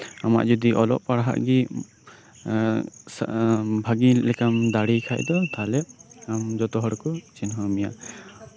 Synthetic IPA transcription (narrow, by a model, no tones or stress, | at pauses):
ama̰ʔd͡ʒɔd̪iʔɔlɔ̰ʔpaɽɦa̰ʔɡi | sbʱaɡilɛkamd̪aɽikʰa̰jd̪ɔt̪ʰalɛamd͡ʒɔt̪ɔɦɔɽkɔt͡ʃinɦɔmija̰